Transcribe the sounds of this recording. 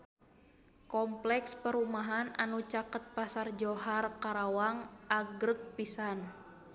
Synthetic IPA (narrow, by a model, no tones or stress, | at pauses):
kɔmplɛkspəɾumaɦana̰nut͡ʃakət̪̚pasard͡ʒoɦarkaɾawaŋʔaɡɾək̚pisan